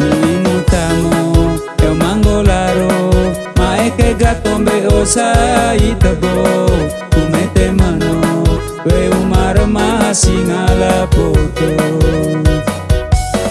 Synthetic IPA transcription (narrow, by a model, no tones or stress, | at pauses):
nuinut̪amɔ | ɾɔmaŋɡolaɾo | maekeɡat̪̚ɔmbeosait̪əbo | t̪umet̪emanɔ | weumaɾɔmaasiŋalapot̪o